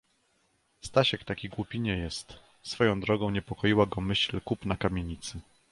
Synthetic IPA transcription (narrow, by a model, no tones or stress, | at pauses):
st̪aɕɛkt̪akʲiɡwupʲiɲɛjɛst̪ | sfɔjɔ̃w̃d̪ɾɔɡɔ̃w̃ɲɛpɔkɔjiwaɡɔmɘɕlkupnakamʲeɲit̪sɘ